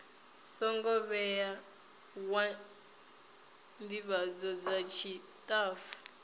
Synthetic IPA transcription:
sɔŋɡɔβɛja | wa | ndiβad͡zɔd͡zat͡ʃʰi | tʼaːfu̥

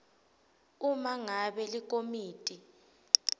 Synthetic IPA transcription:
umaŋaɓɛlik̬ʼomiːtʼi

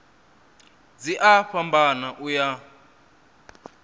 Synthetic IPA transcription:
d͡ziʔaɸambanaʔuja

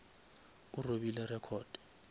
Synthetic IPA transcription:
uroɓilɛrɛkʰɔːd̥i̥

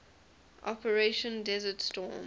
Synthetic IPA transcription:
ʔɔpəɹeʃə̃ndɛzətstɔ̰ːm

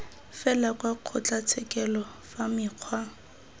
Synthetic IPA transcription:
fɛlakʼwaq͡χʰɔt͡ɬʼat͡sʰɛkʼɛlɔ | famɪːq͡χʰwa

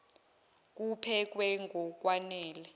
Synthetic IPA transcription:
k̬upʰɛk̬wɛŋɡʱɔk̬ʼwanɛːlɛ

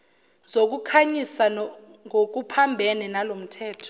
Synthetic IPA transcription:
zok̬ukʰaɲisaŋok̬upʰambʱɛninalom̩tʰɛːtʰɔ̥

